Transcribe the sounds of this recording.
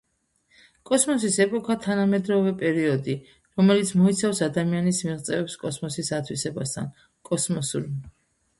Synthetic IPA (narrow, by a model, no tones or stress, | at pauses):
kʼɔsmɔsisɛpʼɔkʰat̪ʰanamɛd̪ɾɔvɛpʼɛɾiɔd̪i | ɾɔmɛlit̪sʰmɔit̪sʰafsad̪amianismiʁt̪sʼɛvɛpskʼɔsmɔsisat̪ʰwisɛbast̪ʰa̰n | kʼɔsmɔsuɾ